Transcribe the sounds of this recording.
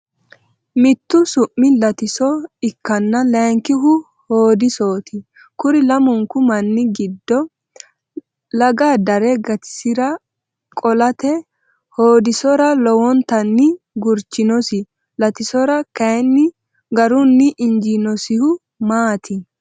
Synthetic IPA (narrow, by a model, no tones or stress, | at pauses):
mɪt̪ːʊsʊʔːɪlɐt̪ɪsɔɪkːɐnːɐlɛŋkɪɦʊ | hoːd̪ɪso̞ːt̪ʰɪ | kʊɾɪlɐmʊŋkʊmɐnːɪɡɪd̪ːɔ | lɐɡaːd̪ɐɾɛɡɐt̪ɪ̥sɪɾɐ | kʼɔlɐt̪ɛ | hoːd̪ɪsɔɾɐlɔwɔnt̪ɐnːɪ | ɡʊɾt͡ʃːɪnɔsɪ | lɐt̪ɪsɔɾɐkɐjnːɪ | ɡɐɾʊnːɪʔɪnd͡ʒinɔsɪhʊ | maːt̪ʰɪ